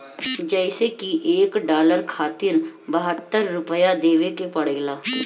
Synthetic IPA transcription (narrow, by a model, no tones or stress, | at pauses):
d͡ʒɛɪsekiʔeːkɖaːləɾkʰaːt̪ɪɾbəɦət̪ːəɾːʊpəjad̪eːʋekepɐɽeːlaː